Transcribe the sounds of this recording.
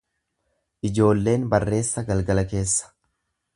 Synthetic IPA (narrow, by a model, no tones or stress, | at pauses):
ʔɪd͡ʒo̞ːlːe̞ːnbɐrːe̞ːsːɐɡɐlɡɐlɐke̞ːsːɐ̥